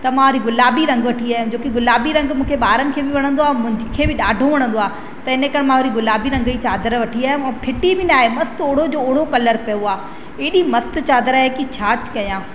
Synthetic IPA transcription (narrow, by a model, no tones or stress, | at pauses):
t̪ɐmãʊɾiɡʊlaːbiɾɐ̃ŋɡʋɐʈʰiaːɦjũd͡ʑoːkiɡʊlaːbiɾɐ̃ŋɡmũːkʰeɓaːɾənɪ̆kʰeːbɪʋɐɽ̃ə̃nd̪oaːmʊ̃d͡ʑkʰeːbɪɗaːɖʱoʋɐɽ̃ə̃nd̪oaː | t̪ɐɪnəkɐɽ̃mãːɦʊɾiɡʊlaːbiɾɐ̃ŋɡit͡ɕaːd̪əɾʋɐʈʰiaːɦj̃mãpʰɪʈibɪnaːɦemɐst̪oːɽ̤od͡ʑoːʊːɽ̤okɐləɾpɐjoaː | eːɗimɐst̪̆t͡ɕaːd̪əɾaːɦekit͡ɕʰaːt͡ɕkɐjãː